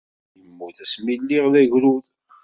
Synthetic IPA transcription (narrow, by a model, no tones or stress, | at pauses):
jəmːuθæsmilːiʁðæʝɾuð